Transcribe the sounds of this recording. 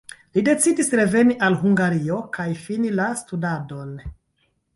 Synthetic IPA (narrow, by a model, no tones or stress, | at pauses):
lide̞t͡sidisɾe̞ve̞niʔalhuŋɡaɾio̞kajfinilastudado̞n